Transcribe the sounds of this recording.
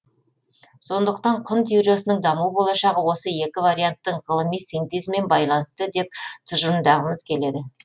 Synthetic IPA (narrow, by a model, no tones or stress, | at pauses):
so̞nd̪əqt̪ɑɴqʰʊnt̪uɾo̞sənəɴd̪ɑmuwəbo̞lˠɑʃɑʁəwo̞səje̞kʲɪvaɾʲijant̪ːəɴʁəlˠəmijsijnt̪ezmːe̞nbɑjlˠɑnəst̪əd̪e̞p̚t̪ʰʊʒəɾnd̪ɑʁəməzkʲʰe̞le̞d̪ɪ